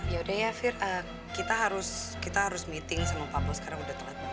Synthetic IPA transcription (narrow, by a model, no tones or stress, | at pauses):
jaudajafɪrəː | kit̪aɦaɾʊskit̪aɦaɾʊsmit̪ɪŋsəŋəpapɔsə̥kaɾaŋudaht̪əɾat̪̚a